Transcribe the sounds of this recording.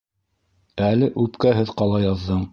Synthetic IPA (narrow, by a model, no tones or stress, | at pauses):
ælɘʔʉpkæɦɘðqɑlˠɑjɑðːɤɴ